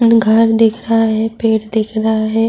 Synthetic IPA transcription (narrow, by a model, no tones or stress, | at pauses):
ɡʱəɾd̪ɪkʰɾaɦaɦɛpeːʈd̪ɪkʰɾaɦaɦɛː